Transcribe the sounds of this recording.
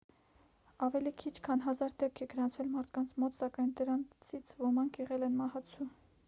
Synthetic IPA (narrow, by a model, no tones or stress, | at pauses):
ɑvɛlikʰit͡ʃʰkʰɑnɦɑzɑɾd̪ɛp̚kʰɛɡəɾɑnt͡sʰvɛlmɑɾt̪ʰkɑnt͡sʰmɔt̪sɑkɑjnd̪əɾɑnt͡sʰit͡sʰvɔmɑŋkʰjɛʁɛlɛnmɑhɑt͡sʰu